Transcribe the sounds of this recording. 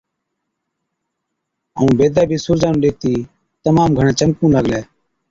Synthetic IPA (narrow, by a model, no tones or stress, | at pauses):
əũːbeːd̪ɛːbʱiːsʊːɾd͡ʒaːnũːɗeːt̪iː | t̪əmaːmɡʱəɳɛ̃ːt͡ʃəmkũːləɡlɛː